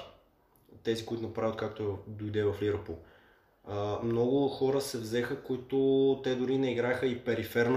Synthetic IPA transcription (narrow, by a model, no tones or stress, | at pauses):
t̪ɛzikoʊit̪ʊnɐpɾavʲjət̪̚kak̚t̪oɛd̪oid̪ɛvɐfliɾəpolˠ | əmnɔɡʊxɔɾəsɛvzɛxəkoit̪ʊt̪ɛd̪ʊɾinɛiɡɾaxəipɛɾifɛɾn